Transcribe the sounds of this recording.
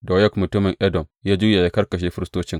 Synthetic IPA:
dɔ˨jɐ˦kmʊ˨tʊ˦mɪ˨ŋʔɛ˦dɔ˨mjaː˦d͡ʒʊː˦ja˨ja˦kɐ˦rkɐ˨ʃ̬eː˦ɸɪ˦ɾɪ˦stoː˦t͡ʃɪ˦ŋ

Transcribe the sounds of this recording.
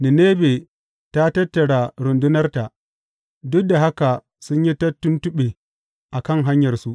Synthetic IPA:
ni˨ne˦be˨ | ta˦tɐ˦tːɐ˨ɽa˨ɾʊ˨ndu˦nɐ˦rta˨ | dʊ˦k̚da˨ɦa˦ka˨ | sʊ˦ɲji˦tɐ˦tːu˦ntu˦ɓe˨ | ʔa˨kɐ˦˨ŋɦa˦ɲjɐ˨rsu˦

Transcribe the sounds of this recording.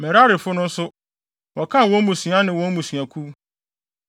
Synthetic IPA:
mɛ˨ɾa˦ɾɪ˨fʊ˦nʊ̃˦n̩˦sʊ˦ | wɔ˨kʰã˦˨wɔ̃˦nmũ˨sɥa˦nɪ̃˨wɔ̃˦n˦mũ˨sɥa˨kʰu˦

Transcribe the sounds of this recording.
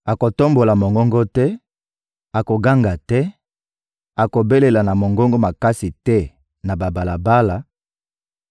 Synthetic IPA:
a˨ko˨to˦mbo˨la˨mo˨ŋɡɔ˦ŋɡɔ˦tɛ˦ | a˨ko˨ɡa˦ŋɡa˨tɛ˦ | a˨ko˨be˦le˨la˨na˨mo˨ŋɡɔ˦ŋɡɔ˦ma˨ka˦si˨tɛ˦ | na˨ba˨ba˨la˨ba˦la˨

